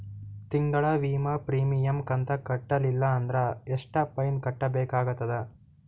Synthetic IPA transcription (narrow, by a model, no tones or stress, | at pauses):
t̪iŋɡɐɭɐʋiːmɐpɾiːmijɐmkɐnt̪ɐkɐʈːɐlilːɐːnd̪ɾɐeʂʈɐpɐjnkɐʈːɐbɛːkaːɡut̪ːɐd̪e